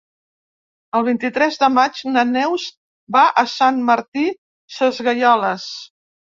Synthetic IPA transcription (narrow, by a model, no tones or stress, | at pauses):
əlˠβ̞int̪it̪ɾɛzd̪əmad͡ʒnənɛws | baʔəsanməɾt̪i | səzɣəjɔləs